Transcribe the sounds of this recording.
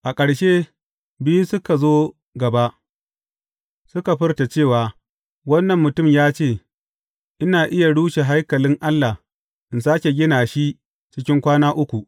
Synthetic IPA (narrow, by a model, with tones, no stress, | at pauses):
ʔa˨kʼɐ˨ɽʃe˦ | bi˦ju˦sʊ˦ka˨zoː˦ | ɡɐ˨ba˦ʔ | sʊ˦ka˨ɸɪ˦rta˨t͡ʃeː˦˨waː˨ | wɐ˦nːɐ˨mːʊ˨tʊ˦˨mjaː˦t͡ʃeː˦˨ | ʔɪ˦naː˨ʔɪ˦ja˨ɽuː˦ʃe˨ɦa˦jkɐ˨lɪ˦ŋʔa˦lːa˨ | ʔɪ˨nsaː˦kʲe˨ɡʲɪ˦naː˨ʃi˦ | t͡ʃɪ˦kʲɪ˦ŋkʷaː˦naː˦ʔʊ˦kʷu˨ʔ